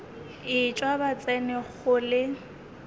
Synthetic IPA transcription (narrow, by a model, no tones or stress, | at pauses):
ɪt͡ʃʼwabat͡sʼɛnɪχʊlɪ